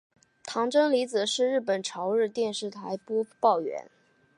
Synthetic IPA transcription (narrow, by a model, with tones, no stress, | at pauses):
t̪ʰɑ˧˥ŋʈ͡ʂɤ˥ŋli˧˥t͡sɹ̩˨˩ʂɻ̩˥˧ɻɻ̩˥˩pə˨˩nʈ͡ʂʰɑ˧˥ʊɻɻ̩˥˧t̪jɛ˥˧nʂɻ̩˥˩t̪ʰa˧˥ɪpɔ˥pɑ˥˩ʊɥɛ̰˧˥n